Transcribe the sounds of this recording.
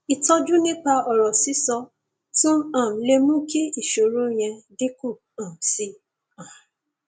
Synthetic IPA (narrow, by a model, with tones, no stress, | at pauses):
i˨tɔ˧d͡ʒu˦nĩ˦k͡pa˧ɔ˨ɾɔ˨si˨˦sɔ˧ | tũ˦ã˨m̩˨le˧mũ˦ki˦i˦˨ʃo˨ɾo˦j̃ɛ̃˧de˦ko˦˨ | ã˨si˧˦ | ã˨